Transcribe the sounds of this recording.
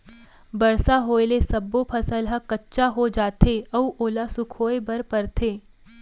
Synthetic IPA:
bɐɾsaɦoːelesɐbːopʰɐsəlɦəkɐtːʃaɦod͡ʒaːt̪eɐuʔoːlasʊkʰoːebɐɾpɐɾt̪ʰeː

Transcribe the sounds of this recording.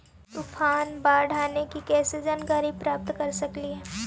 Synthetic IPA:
t̪ufʰaːnbaːɖʱaːnekikɛːsed͡ʒaːnəkaːɾipɾaːp̚t̪kɐɾsɐkliɦɛː

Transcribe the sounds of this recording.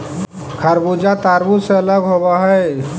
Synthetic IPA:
kʰəɾbud͡ʒat̪aːɾbuseələɡɦobaɦɛ

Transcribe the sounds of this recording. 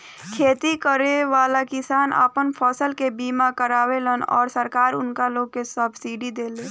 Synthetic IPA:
kʰeːt̪ikəɾeʋaːlakɪsaːna̰pənpʰɔːsəlkebiːmakəɾaːʋelənɔ̰ːɾsəɾkaːɾʊnkaloːɡ̚kesəbsiːɖid̪eːleː

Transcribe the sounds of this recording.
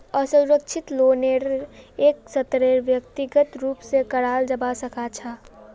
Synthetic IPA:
əsuɾəkʃʰɪt̪loːneɾeːksət̪ɾeɾʋjəkt̪iɡət̪ɾuːpsekəɽaːld͡ʒəbasəkat͡ʃʰa

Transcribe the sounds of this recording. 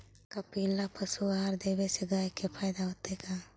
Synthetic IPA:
kapiːlːapʰɐsuaɦaɾd̪eːbeseɡaːjkepʰaːɪd̪aɦoːt̪ekaː

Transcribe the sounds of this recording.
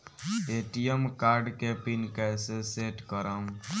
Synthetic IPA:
eʈijemkaɾɖkepinkɛseseʈkəɾəm

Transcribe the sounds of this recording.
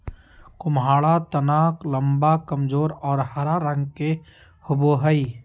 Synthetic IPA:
kʊmɦaːɭat̪ənaːklɐmbakɐmd͡ʒoːɾɔːɾhəɾaɾə̃ŋɡke | hʊboːɦəi

